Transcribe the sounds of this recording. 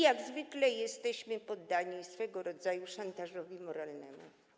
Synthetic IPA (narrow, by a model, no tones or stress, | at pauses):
jaɡzvɘklɛjɛst̪ɛɕmɘpɔd̪ːaɲisfɛɡɔɾɔd̪zajuʂant̪aʐɔvʲimɔɾalnɛmṵ